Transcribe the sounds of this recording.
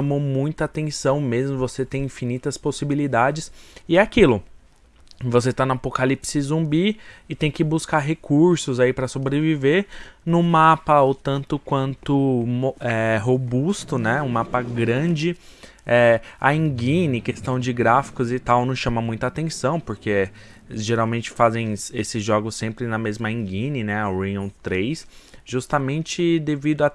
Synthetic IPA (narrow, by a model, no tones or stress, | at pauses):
ʃɐmomũj̃t̪ʊɐat̪ẽsɐ̃w̃mezmʊvoset̪ẽj̃ĩfinit̪ɐsposibilid̪ad͡ʒɪsɪakilʊ | vos̬et̪anʊapokalipsɪzũbiɪt̪ẽj̃kɪbuskaɾɦekʰuɾsʊzaipɾɐsobɾeviveɾnʊ̃mapɐot̪ɐ̃nt̪ʊkwɐ̃nt̪ʊmoɛɦobust̪ʊnɛũmapɐɡɾɐ̃d͡ʒɪ | ɛa̰ĩɡĩnɪkest̪ɐ̃w̃d͡ʒɪɡɾafi̥kʊzɪt̪awnɐ̃w̃ʃɐ̃mɐmũj̃t̪ʊat̪ẽsɐ̃w̃poɾke | ʒeɾawmẽnt͡ʃɪ̥fazẽj̃esɪzʒɔɡʊsẽmpɾɪnɐmezmɐĩɡĩnɪnɛɐɾĩõw̃t̪ɾejsʒ̥ust̪ɐmẽnt͡ʃɪd̪evid̪ʊɐ